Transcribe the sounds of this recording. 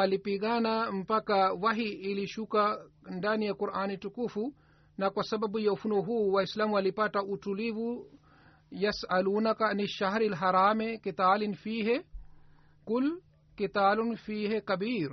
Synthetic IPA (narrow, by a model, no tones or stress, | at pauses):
ɐlipiɡanampɐkawɐɦiːliʃukandanijakuɾʔaːnitukufu | nɐkwɐsɐbɐbujɐwfunoɦuwaislamwɐlipɐʈaʔutuliwu | jɐsʔɐluːnɐkaniʃaɦɾilɦɐɾaːmekit̪aːlinfiːɦe | kul | kit̪aːlunfiːɦekɐbiːɾ